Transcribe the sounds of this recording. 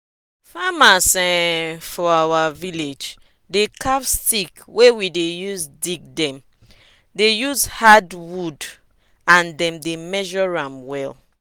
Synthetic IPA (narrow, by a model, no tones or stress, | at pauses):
famasɛfɔawaviled͡ʒ | dekavstikwewidejuzdiɡ̚dɛ̃m | dejuzhadwud | ãndɛ̃mdemɛʒɔɹãmwɛl